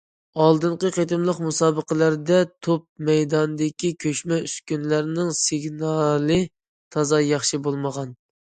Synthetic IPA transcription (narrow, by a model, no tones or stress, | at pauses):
ɑlˠd̪ɨɴqəqʰet̪ɨmlˠəqmusɑːbəqəlˠæɾd̪ɛt̪ʰop̚mɛjd̪ɑnd̪ɪkʲʰikʲʰøʃmɛyskʲynlæɾnɪŋsɪɡnɑlˠɨ | t̪ʰɑzɑjɑχʃibolˠməʁɑn